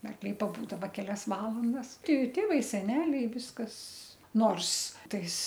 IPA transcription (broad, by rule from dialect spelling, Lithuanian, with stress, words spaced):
ɐrkˈlʲɛɪ pɐˈbuːdɐʋɐ kʲɛˈlʲɛs ˈʋɑːlˠɐndɐs ˈtʲɪ ˈtʲeːʋɐɪ sʲɛˈnʲæːlʲɛɪ ˈʋʲɪskɐs ˈnoːrs ˈtɐɪs